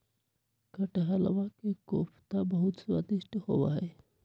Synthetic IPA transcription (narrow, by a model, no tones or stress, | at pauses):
kəʈeɦələʋakekoːpʰt̪abəɦut̪swat̪iʃʈhowa̰ɦɛ